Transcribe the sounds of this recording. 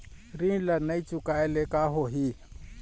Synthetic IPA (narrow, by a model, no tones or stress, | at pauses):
ɾilanɐit͡ʃʊkaelekaːɦoɦi